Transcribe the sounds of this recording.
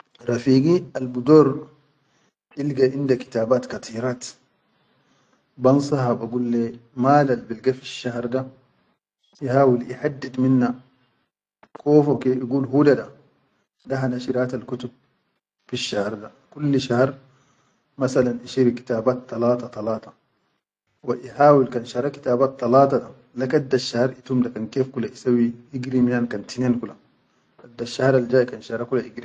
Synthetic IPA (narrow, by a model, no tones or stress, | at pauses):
ɾˤɑfiːɡialbud̪oːɾ | ʔilɡaʔɪnd̪aki̥t̪aːbaːt̪kat̪ʰˤiːɾaːt̪ | bɑnsˤɑhabaɡulːemaːlalbilɡafiʃːahɾˤd̪a | ihaːwilʔiħad̪ːid̪minːa | kʰoːfokeʔiɡuːlɦuːdada | daɦanaʃiɾaːt̪alkut̪ub̚ | fiʃːahɾˤd̪a | kulːʃahɾˤ | masalanʔiʃiːɾki̥t̪aːbaːt̪ːɑlɑːt̪ɑt̪ˤɑlɑːt̪ˤɑ | waʔihaːwilkanʃɑɾˤɑki̥t̪aːbaːt̪ːɑlɑːt̪ˤɑda | lakad̪ːaʃːahɾˤʔit̪umd̪akankeːfkulaʔisawːiʔiɡɾiminankant̪ineːnkula | ʔad̪ːaʃːahɾˤald͡ʒaːjkanʃahɾˤakulaʔiɡɾi